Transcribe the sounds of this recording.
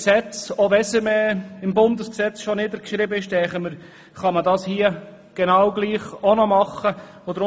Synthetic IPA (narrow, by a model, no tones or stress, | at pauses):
sɛt͡soʋɛsəmɛɪmbʊnd̪əsksɛt͡sʃɔnɪd̪əɾkʃɾɪbəɪʃt̪ɛχəməɾ | χɑmədɑːshiə | ɡ̥enɑwɡliːχonɔmɑχːə | od̪əɾʊ